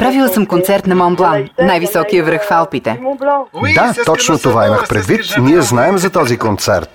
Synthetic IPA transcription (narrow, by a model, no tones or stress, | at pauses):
pɾavilˠəsəmkont̪sɛɾt̪nɐmɔmblˠannajvisɔkijəvɾəxfalˠpit̪ɛ | d̪at̪ɔt͡ʃnot̪ovaiməxpɾɛd̪vit̪niɛznaɛmzɐt̪ɔzikont̪sɛ̰ɾt̪̚